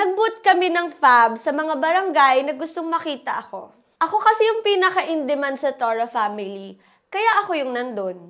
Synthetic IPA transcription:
nɐɡ̚bʊt̪̚kɐmɛnɐŋfabsɐmɐŋabɐɾɐŋɡajnɐɡʊst̪oŋmɐkiːt̪ɐʔɐko̞ | ʔɐko̞kɐsɛjʊŋpinɐkɐʔɪnd̪ɛmansɐt̪oɹɐfamɪli | kɐjaʔɐko̞jʊŋnɐnd̪on

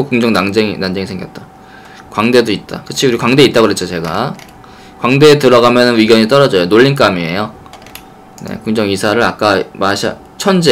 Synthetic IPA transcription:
okuŋd͡ʑʌŋnaŋd͡ʑeŋinand͡ʑe̞ŋisʰe̞ŋɡjʌt̚t͈a | kwaŋde̞doit̚t͈a̰kɯt͡ɕʰiuɾikwaŋde̞it͈̚aɡɯɾet͡ɕʰot͡ɕe̞ɡa̰ | kwaŋde̞ːtɯɾʌɡamjʌnɯnwiɡjʌɲit͈ʌɾʌd͡ʑʌjonoʎːink̬͈amie̞̰jo | ne̞̰kuŋd͡ʑʌŋisʰaɾɯɾak͈amaɕʰa̰ | t͡ɕʰʌnd͡ʑe

